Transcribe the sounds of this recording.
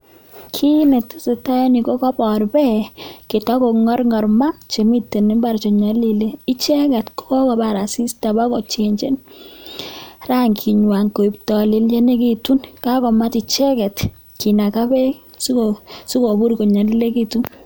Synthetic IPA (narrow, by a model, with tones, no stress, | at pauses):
kʰi˦nɛ˨tse˨ta˦jɔ˦ni˨ko˦kɔ˦bɔ˨ɾbɛ˦kɪ˨tɔ˦ko˨ŋɔ˦ɾŋɔ˨ɾma˦t͡ʃe˨mi˦tːe˨ne˦mba˦ɾt͡ʃɔ˨ɲa˨li˨le˦i˦t͡ʃɛ˦kɛ˨tkɔ˦kɔ˨ba˨ɾa˨si˦sta˨ba˦kɔ˨t͡ʃe˨ɲt͡ʃe˦n | ra˦ŋkʰi˨ɲwa˨ŋko˨i˨p̚tɔ˨li˨˦lje˦ne˦ki˦tu˦nka˦kɔ˨ma˦ti˨t͡ʃɛ˦kɛ˨t | ki˨na˨ka˦bɛ˦sosu˦ko˨bu˦ɾko˨ɲa˨li˦le˦ki˦tu˦